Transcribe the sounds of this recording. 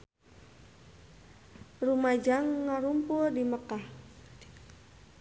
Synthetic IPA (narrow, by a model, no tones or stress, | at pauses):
rumad͡ʒaŋːaɾumpʊrdiməkah